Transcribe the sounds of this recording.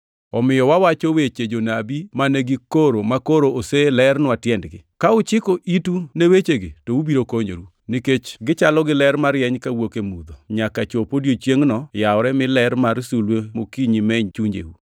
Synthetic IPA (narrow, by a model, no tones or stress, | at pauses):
ɔmɪjɔwawat͡ʃɔwet͡ʃed͡ʒonabimanɛɡɪkoɾomakoɾooselɛɾnwatjɛndɡɪ̰kaʊt͡ʃɪkoʔitunewet͡ʃeɡɪtoubiɾokoɲo̰ɾu | niket͡ʃɡɪt͡ʃalɔɡɪlɛɾmaɾjɛɲkawokemud̪oɲakat͡ʃopodjot͡ʃjeŋnɔjaɔɾɛmɪlɛɾmaɾsulwemokiɲimɛɲt͡ʃuɲd͡ʒḛu